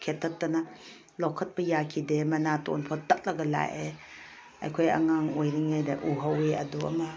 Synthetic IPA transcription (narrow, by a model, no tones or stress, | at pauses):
kʰetʰːɐtːɐna | lokʰːɐt̚pɐjakʰidemɐnato̰npʰɔtɐk̚lɐɡɐla̰je | ɐ̰jkʰoja̰ŋaŋojɾiŋajdeʔuɦaweɐduɐ̰mɐ